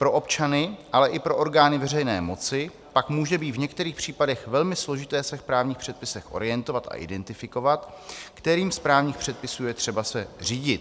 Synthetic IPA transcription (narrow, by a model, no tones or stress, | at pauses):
pɾo̞ʔo̞pt͡ʃanɪʔalɛʔɪpɾo̞ʔo̞ɾɡaːnɪvɛrɛjnɛ̰ːmo̞t͡sɪ | pakmuːʒɛbiːt̪vɲɛkt̪ɛɾiːxpr̝̥iːpadɛxvɛlmɪslo̞ʒɪt̪ɛːsɛfpɾaːvɲiːxpr̥ɛt̪̚pɪsɛxʔo̰ɾɪjɛnt̪o̞vat̪a̰ʔɪ̰dɛnt̪ɪfɪko̞vat̪kt̪ɛɾiːmspɾaːvɲiːxpr̥ɛt̪̚pɪsuːjɛt̪r̝̥ɛbasɛriːɟɪt̪